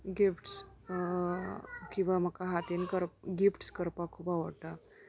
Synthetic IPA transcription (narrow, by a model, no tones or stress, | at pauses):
ɡifʈs | kĩw̃ʋam̤əkaɦat̪enkəɾɡifʈskəɾpakʰubaʋəɽʈ̪a